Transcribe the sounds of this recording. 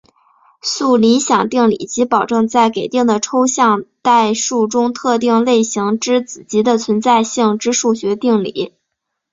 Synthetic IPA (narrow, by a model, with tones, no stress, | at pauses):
su˥˩li˧˥ɕjɑ˨˩ŋt̪i˥˩ŋlḭ˨˩t͡ɕi˧˥pɑ˨˩ʊʈ͡ʂɤ˥˧ŋt͡sa˥˩ɪke˨˩ɪt̪i˥˩ŋd̪ə˩ʈ͡ʂʰo˥ʊɕjɑ˥˧ŋt̪a˥˧ɪʂu˥˩ʈ͡ʂʊ˥ŋt̪ʰɤ˥˧t̪i˥˧ŋle˥˩ɪɕi˧˥ŋʈ͡ʂɻ̩˥t͡sɹ̩˨˩t͡ɕi˧˥d̪ə˧t͡sʰwə˧˥nt͡sa˥˧ɪɕi˥˩ŋʈ͡ʂɻ̩˥ʂu˥˩ɕɥɛ˧˥t̪i˥˩ŋlḭ˨˧˥